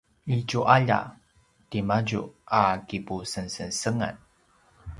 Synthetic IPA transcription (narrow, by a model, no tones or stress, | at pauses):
it͡ʃuʔaʎa̰ | timad͡ʑṵakipusənsənsəŋa̰n